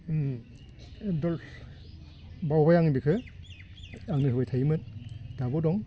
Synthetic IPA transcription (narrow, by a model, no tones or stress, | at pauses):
dɔl | bawbajaŋibikʰɯ | aŋnɯɦɯbajtʰajmɯt̚d̥abɔdɔŋ